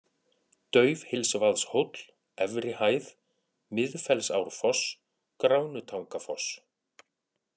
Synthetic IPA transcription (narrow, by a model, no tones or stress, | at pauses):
t̪œːɥvhɪlsvaðshot̪l̥ | ɛvɾɪhaːjð | mɪðfɛlsawɾfɔs | kɾawnʏt̪ʰawŋkafɔs